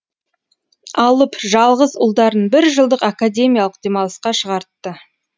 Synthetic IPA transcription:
ɑlˠəpʒɑlˠʁəzʊlˠd̪ɑɾənbɪɾʒəlˠd̪əqakad̪ʲe̞mʲijalˠəq̚d̪̥e̞mɑlˠəsqɑʃəʁɑɾt̪ːə

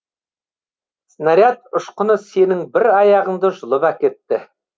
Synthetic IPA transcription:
snaɾʲjat̪̚ʊʃqə̆nəse̞nɪŋbɪɾɑjɑʁə̆ɴd̪əʒʊ̆lˠəpækʲe̞t̪ːɪ

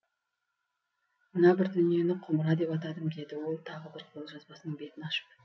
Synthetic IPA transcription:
mənɑbɪɾd̪ʏnije̞nɪqʰʊməɾɑd̪e̞pɑt̪̬ɑd̪əmɡʲe̞d̪ɪwo̞lˠt̪ʰɑʁəbɪɾqʰʊɾəlˠʒɑzbɑsənəɴbe̞t̪ɪnɑʃə̥p

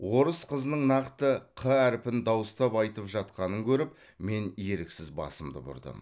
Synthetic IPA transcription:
wo̞ɾəsqʰəzənəɴnɑqt̪əqʰəæɾɪpɪnd̪ɑwəst̪ɑpɑjt̪əpʒɑt̪̚qɑnəŋkʲʰɵɾɪp̚ | me̞nje̞ɾɪksɪzbɑ̰səmd̪ə̰bʊ̰ɾd̪ə̰m

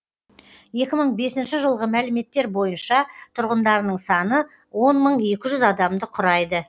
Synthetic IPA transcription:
je̞kʲɪməɴbe̞sɪnʃɪʒəlˠʁəmælɪme̞t̪ːe̞ɾbo̞jənʃɑt̪ʰʊɾʁənd̪ɑɾənəɴsɑnə | wo̞nməɴe̞kʲɪʒʏzɑd̪ɑmd̪əqʰʊɾɑjd̪ə

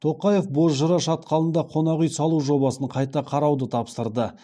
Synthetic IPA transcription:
t̪ʰo̞qɑje̞fbo̞zʒəɾɑʃɑt̪̚qʰɑlˠənd̪ɑqʰo̞nɑʁʏjsɑlˠuʒo̞bɑsəɴqʰɑjt̪ɑqʰɑɾɑwd̪ət̪ʰɑpsəɾd̪ə

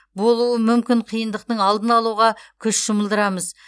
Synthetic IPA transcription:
bo̞lˠuəmʏmkʲɪɴqʰijənd̪əq̚t̪əɴɑlˠd̪ənɑlˠuʁɑkʲʰʏʃʒ̥ʊməlˠd̪əɾɑməz

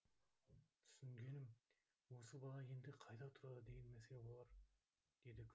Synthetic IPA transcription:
t̪ʰʏ̥sɪŋɡʲe̞nɪm | wo̞səbɑlˠɑje̞nd̪ɪqʰɑjd̪ɑt̪ʰʊɾɑd̪əd̪e̞ɡenmæsʲebo̞lˠɑɾ | d̪̥e̞d̪ɪkʲʰ

